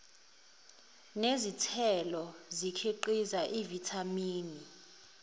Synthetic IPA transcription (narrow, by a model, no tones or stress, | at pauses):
nezitʰɛlɔzikʰiǃizaʔivitʰamiːni